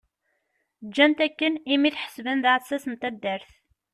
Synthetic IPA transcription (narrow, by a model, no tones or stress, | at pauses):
d͡ʒːænt̪ækːənimiθħə̥svənðæsæsənt̪æd̪ːəɾθ